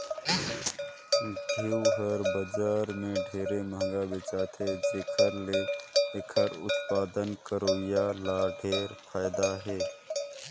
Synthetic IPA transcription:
d̪ʱiwɦəɾbəd͡ʒaːɾmẽɖʱeːɾeməɦŋɡabet͡ʃaːt̪ʰed͡ʒɪkʰəɾleːekʰəɾʊ̰t̪paːd̪ənkəɾoːjalaːɖʱeːɾpʰaːjd̪aɦeː

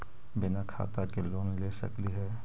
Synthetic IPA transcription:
bɪnakʰa̰ːt̪akeloːnlesə̰kliɦɛː

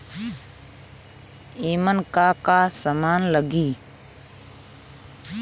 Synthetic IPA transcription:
iːmənkaːkaːsəmaːnləɡiː

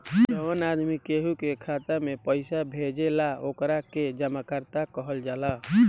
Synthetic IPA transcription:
d͡ʒəʋənad̪mikeɦukekʰat̪amepəɪsabʱed͡ʒelaokɾaked͡ʒəmakəɾt̪akəɦəld͡ʒala

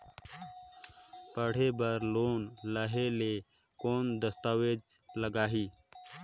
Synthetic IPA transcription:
pəɽ̤ebəɾloːnləɦele | koːnd̪əst̪aːʋed͡ʒləɡaːɦiː

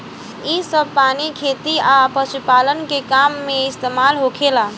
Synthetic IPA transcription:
isəb̚panikʰet̪iapəʃupalənkekamːeɪst̪emalɦokʰela

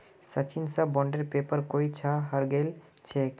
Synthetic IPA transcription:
sət͡ʃinsəbɔɳɖeɾpepəɾkoit͡ʃʰaɦəɾɡel | t͡ʃʰek

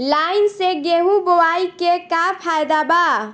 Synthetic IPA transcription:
laɪnseɡeɦuɡowaikekapʰajd̪aba

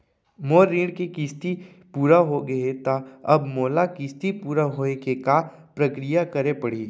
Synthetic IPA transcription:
moːɾĩːɽkekɪst̪i | puːɾaɦoɡɐet̪aɐbmoːlakɪst̪ipuːɾaɦoːekeka | pɾɐkɾijakɐɾepɐɽiː

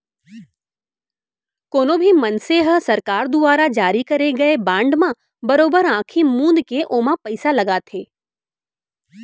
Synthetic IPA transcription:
koːnõbʱimɐnseɦəsɐɾkaːɾd̪ʊʋaːɾad͡ʒaːɾikɐɾeɡɐebãːɳɖmã | bɐɾoːbəɾãːkʰimũːnd̪keʔoːmãpɐɪsalɐɡaːt̪ʰeː

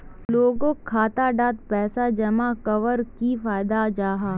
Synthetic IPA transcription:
loːɡõkʰːaːt̪aɖaːt̪̚pɛːsad͡ʒɐmakɐʋəɾkifaːjd̪ad͡ʒaːɦaː

